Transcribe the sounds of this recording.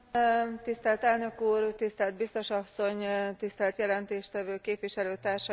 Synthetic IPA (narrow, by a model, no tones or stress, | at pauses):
t̪ist̪ɛlt̪ɛlnø̞kuːrt̪ist̪ɛlt̪bist̪o̞ʃɒsːo̞ɲt̪ist̪ɛlt̪jɛlɛnt̪eːʃt̪ɛvøːkeːpʋiʃɛløːt̪aːrʃɒ